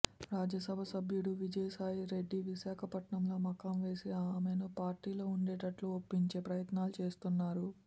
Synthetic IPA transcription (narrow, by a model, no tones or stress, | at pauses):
ɾaːd͡ʒɐsɐbʱɐsɐbʱjuɽuʋid͡ʒɐjsaːjɾe̞ɖːiʋiʃaːkʰɐpɐʈɳɐmlo̞ːmɐkamʋe̞ːsiaːmenupaːɾʈiːlo̞ːuɳɖeːʈɐʈluopːiɲt͡ʃe̞ːpɾɐjɐt̪naːlut͡ʃe̞ːst̪unːaːɾu